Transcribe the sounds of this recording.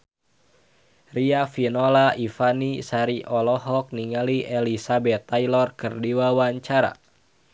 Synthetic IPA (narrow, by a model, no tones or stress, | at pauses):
riafinɔlaʔifanisaɾiʔɔlɔɦɔk̚niŋaliʔɛlisabɛt̪ːajlɔrkɨrdiwawaɲt͡ʃaɾa̰